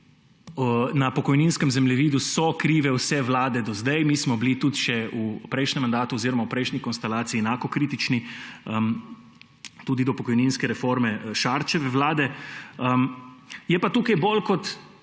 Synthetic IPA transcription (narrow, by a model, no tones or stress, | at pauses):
ənɐpɔkɔjninskəmzɛmlɛʋiːd̪usɔkɾiːʋɛwsɛʋlaːd̪ɛd̪ɔzd̪ɛjmiːsmɔblit̪ut̪ʃɛupɾɛjʃnʲɛmːand̪aːt̪uoziːɾɔmawpɾɛjʃnʲikɔnst̪ɛlaːt̪siːɛnaːkɔkɾiːt̪it͡ʃniəm | t̪uːd̪id̪ɔpɔkɔjninskɛɾɛfoɾmɛʃaɾt͡ʃɛʋɛʋlaːd̪ɛəmjɛpat̪uːkajbolkɔt̪